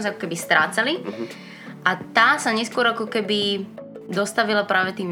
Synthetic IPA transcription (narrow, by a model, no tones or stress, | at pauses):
zakɔ̥kɛbist̪ɾaːt͡sali | ʔat̪aːsaɲɛskʊɔɾakɔkɛbid̪ɔst̪aʋilapɾaːʋɛt̪iːm